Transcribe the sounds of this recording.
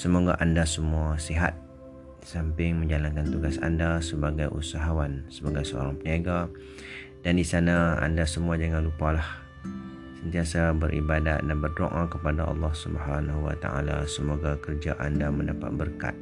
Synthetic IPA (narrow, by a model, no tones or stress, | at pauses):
səmoɡa̰ʔandasəmuasiɦa̰t̪̚ | sampɪŋmə̃ɲd͡ʒalankant̪uɡasa̰ndasəbaɡajʔṵsaɦawansəbaɡajsəo̰ɾaŋpəniaɡa | dandisanaa̰ndasəmuad͡ʒaŋanlupalah | sənt̪iasabəɾʔḭbadat̪̚danbərdo̰ʔãkəpadaʔɑ̰lːɑhsubəɦanɦwa̰t̪a̰ʔa̰la̰səmoɡakərd͡ʒaʔandaməndapa̰t̪̚bərka̰t̪̚